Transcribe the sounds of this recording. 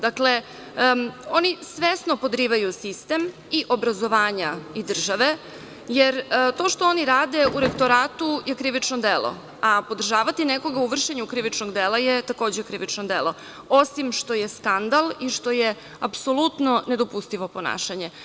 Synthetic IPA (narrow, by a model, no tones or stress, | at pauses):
d̪akle | o̞nisʋesnopo̞d̪ɾiːʋajusist̪em | iʔo̞bɾazo̞ʋaːɲaid̪r̩ʒaʋe | jeɾt̪o̞ːʃt̪oo̞niɾaːd̪e̞ʔuɾekt̪o̞ɾaːt̪ujekɾiʋit͡ʃnod̪elˠo̰ | apo̞d̪r̩ʒaːʋat̪ineko̞ɡauʋr̩ʃeɲukɾiʋit͡ʃno̞ɡd̪elajet̪ako̞ːd͡ʑekɾiʋit͡ʃnod̪elˠo̞ | o̞simʃt̪o̞jeskand̪aliʃt̪o̞je | apso̞lˠut̪no̞ne̞d̪o̞pust̪iʋo̞po̞na̰ːʃaɲe